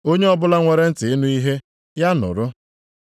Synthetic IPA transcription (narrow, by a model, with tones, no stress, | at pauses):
o˦ɲe˦ɔ˦bʊ˦la˦ŋʷe˨ɾe˦n̩˦tɪ˨ɪ˦nu˦i˦ɦe˦ | ja˦nʊ̰˨ɾʊ˦